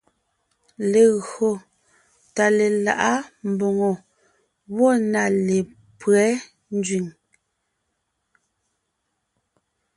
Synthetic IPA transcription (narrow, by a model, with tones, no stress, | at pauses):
le˨ɣo˨ | ta˨le˨la˨ʔa˦m̩˨bo˨ŋo˨ | wɔ˦˨na˨le˨ | pɰɛ˨˦ | n˦d͡ʒɥi˨ŋ